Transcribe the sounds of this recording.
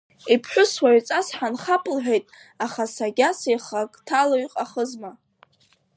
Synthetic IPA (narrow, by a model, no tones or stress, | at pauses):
ipʰħʷᶣʊswaʕt͡sʼasħanχapʼlħʷᶣejtʼ | aχasaɡʲasejχakʼtʰaloɥqʼaχəzma